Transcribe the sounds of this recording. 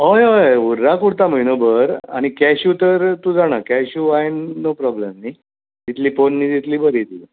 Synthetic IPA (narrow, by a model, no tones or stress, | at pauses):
ɦojɦojuɾːakuɽt̪am̤əinəbəɾa̰ɽ̃ikɛɕjut̪əɾt̪ud͡zaɽ̃akɛɕuaennopɾɔblemni | t̪it̪liːponːiːt̪it̪liːbəɾit̪iː